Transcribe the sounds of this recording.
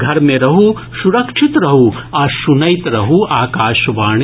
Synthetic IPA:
ɡʱɐɾmeɾɐɦu | ʃuɾɐkʂʰit̪ɾɐɦuaʃunɐjt̪ɾɐɦuʔaːkaːʃɐʋaːɳ

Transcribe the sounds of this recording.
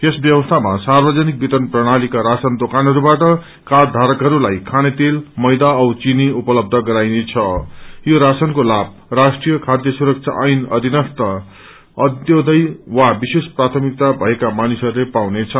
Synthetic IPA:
jesbjʌbʌst̪ʰamasarbʌd͡zʌnik̚bit̪ʌnprʌɽ̃alikaɾasʌnd̪okanɦʌɾubaʈʌ | kard̪ʱaɾʌkɦʌɾulajkʰanet̪elmʌjd̪aʌwt͡siniupʌlʌb̚d̪ʱʌɡʌɾajnet͡sʰʌjoɾasʌnkolab̚rasʈrijʌkʰad̪jʌsuɾʌk̚t͡sʰa̰ʔʌjnʌ̰d̪ʱinʌst̪ʌ | ʌd̪jod̪ʌjwabisesprat̪ʰʌmik̚t̪abʱʌekamanisʌɾulepawnet͡sʰʌ

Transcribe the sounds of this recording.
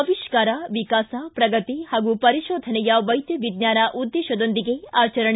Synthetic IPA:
ʋiʃkaːɾaʋikaːsapɾɐɡɐt̪ihaːɡupɐɾiʃoːd̪ʱɐnɛjɐʋɐjd̪jɐʋid̪ɲaːnaʔud̪ːeːʃɐd̪ond̪iɡe̞aːt͡ʃɐɾɐɳ

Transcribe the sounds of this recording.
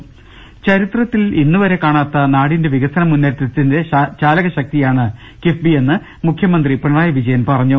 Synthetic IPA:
t͡ɕɐɾit̪rɐt̪ːilinːuʋɐɾe̞kaːɳaːt̪ːɐnaːɽinde̞ʋiɣɐsɐnɐmunːɐɾɐt̪ːɐt̪ːinde̞ɕaːlɐɣɐɕɐk̚t̪ijaːɳɨ | kifbie̞nːɨ | mukʰjɐmɐnd̪ripɐɳɐmaːjɐʋid͡ʑɐjɐnpɐrɐɲːu

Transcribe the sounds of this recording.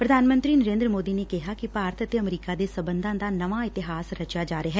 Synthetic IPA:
pɾəd̪ʱaːnmə̃nt̪ɾiːnəɾẽːnd̪ɾəmoːd̪iːneːkɪɦaːkɪpaːɾət̪ət̪eəmɾiːkaːd̪eːsəbənd̪ãːd̪aːnəʋaːɪt̪ɪɦaːsɾət͡ʃaːd͡ʒaːɾeɦɛː

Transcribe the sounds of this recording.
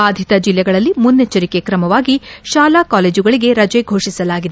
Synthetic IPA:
aːd̪ʱit̪ɐd͡ʒilːɛɡɐɭɐlːimunːet͡ʃːɐɾike̞kɾɐmɐʋaːɡiʃaːlaːkaːle̞ːd͡ʒuɡɐɭiɡe̞ɾɐd͡ʒɛjɡʱoːʂisɐlaːɡid̪e

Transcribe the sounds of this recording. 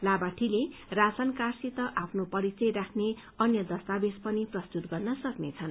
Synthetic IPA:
labaʈʰilerasankarsit̪ʌʔapʰnopʌɾit͡sʌjrakʰne | ʌnjʌd̪ʌst̪abespʌniprʌst̪ut̪ɡʌrnʌsʌknet͡sʰʌn

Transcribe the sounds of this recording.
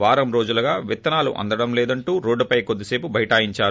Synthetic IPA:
ʋaːɾɐmɾoːd͡ʒulɐɡaːʋit̪ːɐnaːlṵʔɐ̰nd̪ɐɽɐmlɛːd̪ɐɳʈuːɾoːɖːɐpɐjkod̪ːise̞ːpubʱɐjɐʈaːjiɲt͡ʃaːɾu

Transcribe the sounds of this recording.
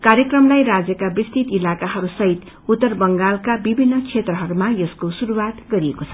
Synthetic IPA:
kaɾjʌkrʌmlajɾad͡zjʌkabrist̪it̪ilakaɦʌɾusʌɦit̪ | ut̪ːʌrbʌŋɡalkabibʱinːʌkt͡sʰet̪rʌɦʌɾumajʌskosuɾuwat̪ɡʌɾiekot͡sʰʌ̥

